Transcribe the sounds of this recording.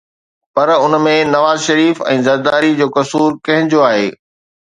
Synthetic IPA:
pɐɾʊnmẽnɐʋaːzʃɐɾiːfɛ̰̃ːzɐɾd̪aːɾid͡ʑoːkɐsuːɾkɐ̃ɦɪ̃ɲd͡ʑjoaːɦḛː

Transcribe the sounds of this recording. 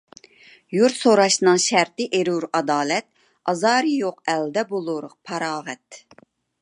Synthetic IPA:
juɾsoɾɑʃnɨŋʃæɾt̪ɪʔeɾuɾɑd̪ɑːlɛt̪̚ | ɑzɑːɾɨjoqɛld̪ɛbolˠuɾəq̚pʰɑɾɑːʁɛt̪

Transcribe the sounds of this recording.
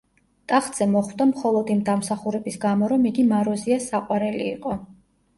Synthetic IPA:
t̪ʼaχt̪ʼz̥ɛmɔχwd̪amχɔlˠɔd̪imd̪amsaχuɾɛbisɡamɔɾɔmiɡimaɾɔziasaqʼwaɾɛlḭːqʼɔ

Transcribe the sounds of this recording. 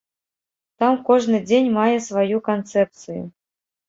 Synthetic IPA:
t̪amkɔʐnɨd͡zʲenʲmajɛsvajukant̪sɛp̚t̪sɨjṵ

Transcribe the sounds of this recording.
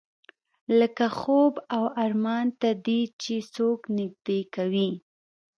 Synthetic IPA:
ləkaxobawaɾmɑnt̪ad̪it͡ʃesoknɪɡ̚d̪ekawi

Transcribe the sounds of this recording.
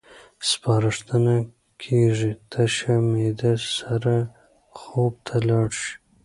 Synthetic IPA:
spɑːɾɪʂt̪əna | kʰeʐit̪ʰaʃamed̪asaɾa | xob̚t̪ʰalɑɽʃi̥

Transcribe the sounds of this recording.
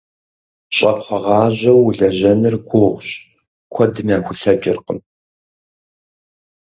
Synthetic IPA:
ɕʼɐpqʰʷɔʁɑːʑɐwːɮɐʑɐnɨrɡʷʊʁʷɕ | kʷʰɔdɨmjaːxʷʊɬɐd͡ʒʼɪrqəm

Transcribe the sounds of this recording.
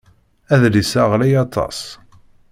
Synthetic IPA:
æðlisaʁlæjɑt̪ˤɑ̰s

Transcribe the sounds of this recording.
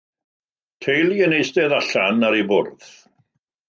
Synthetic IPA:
tʰejlˠjənejstɛðaɬanaɾibʊrð

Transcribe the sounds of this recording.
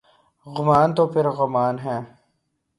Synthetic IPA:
ɣʊmaːnt̪oːpʰɪɾɣʊmaːnɦɛ̃ː

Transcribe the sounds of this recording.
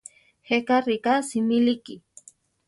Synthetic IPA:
hekaɾikasimiliki

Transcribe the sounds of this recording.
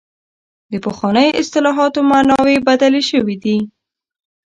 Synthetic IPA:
d̪əpəxwɑnəjʔɪst̪ɪlɑɦɑt̪omanɑwebad̪aleʃəwid̪i

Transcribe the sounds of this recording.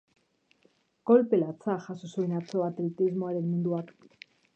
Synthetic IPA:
ɡo̞lpelat͡saxasosuenat͡so̞βat̪elet̪izmoaɾe̞nmund̪uak

